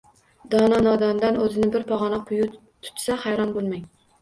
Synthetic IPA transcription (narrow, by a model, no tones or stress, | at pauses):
d̪ɑnɑnɑd̪ɑnd̪ɛnøzɪnɪbɪɾpʰɑʁɑnɑq̚qʰoju | t̪ʰu̥t̪ʰːsɛχæjɾɑnbolˠmɛj